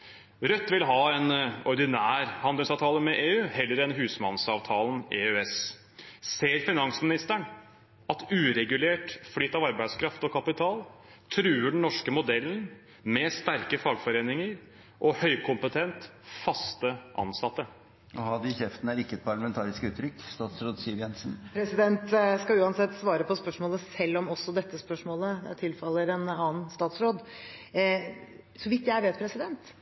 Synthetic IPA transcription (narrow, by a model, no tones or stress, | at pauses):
ɾœt̪ːʋɪlɦɑːɛnɔɾɖ̪ɪnæːɾhɑnd̪əlsɑʋt̪ʰɑːləmɛʔeːʉːhɛlːəɾɛnɦʉːsmɑnsɑːʋt̪ʰɑːlneøɛs | seːɾfɪnɑŋsmɪnɪst̪əɳ | ɑt̪ʉːɾɛɡʉleːʈflʏt̪ːɑʋɑɾbæɪd̪skʰɾɑft̪ɔkʰɑpɪt̪ʰɑːlt̪ʰɾʉːəɖɳ̩nɔʂkəmʊd̪ɛlːən̩ | mɛst̪æɾkəfɑːɡfɔɾeːnɪŋəɾ | ʔɔhœʏkʰʊmpət̪ʰɛnt̪fɑst̪əʔɑ̰nsɑt̪ːə | ʔɔhɑd̪ɪɕɛft̪n̩æɾɪkːəɛt̪̚pʰɑɭəmɛnt̪ʰɑːɾɪskʉːt̪ʰːɾʏkːst̪ɑːt̪sɾoːd̪siːəʋjɛnsn̩pʰɾɛsɪd̪ɛnt̪skɑʉːɑnsɛt̪ːsʋɑːɾəpʰɔspœʂmoːləsɛlːɔmɔsːɔd̪ɛt̪ːəspœʂmoːləd̪ɛ̰t̪ʰɪlfɑlːəɾɛnɑːnst̪ɑːt̪sɾoːd̪ | sɔʋɪt̪ːjææʋeːt̪̚pʰɾɛsɪd̪ɛnt̪